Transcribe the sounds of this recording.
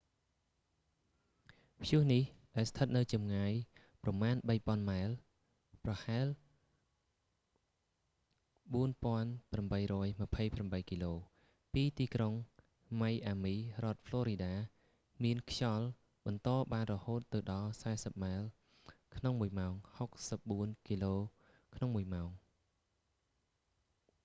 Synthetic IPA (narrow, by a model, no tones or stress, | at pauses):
pʰjŭəhnihɗaɛlst̪ʰət̪̚nɨwt͡ɕɑmŋaːj | prɑmaːnɓəjpŏənmaɛl | prɑhaɛl | ɓuənpŏənpramɓəjrɔːjmə̆pʰəjpramɓəjkiːloː | piːt̪iːkroŋ | majʔaːmiːrŏət̪̚fʰloːɾiɗaː | miənkʰjɑl | ɓɑnt̪ɑːɓaːnrɔhoːt̪ːɨwɗɑlsaɛsəp̚maɛl | kʰnoŋmuəjmaɔŋhok̚səp̚ɓuənkiːloː | kʰnoŋmuəjmaɔŋ